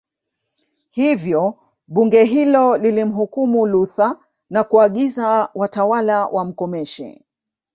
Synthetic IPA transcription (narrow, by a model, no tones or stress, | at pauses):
hivjɔ | ɓuŋɡɛɦilɔlilim̩ɦukumuluθa | nakuaɠizawatawalawʔam̩kɔmɛʃɛ̰